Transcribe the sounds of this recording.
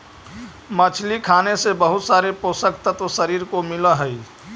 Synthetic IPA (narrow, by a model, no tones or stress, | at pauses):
mət͡ʃʰlikʰaːnesebəɦʊt̪saːɾepoːsəkt̪ət̪osəɾiːɾkomɪlaɦəi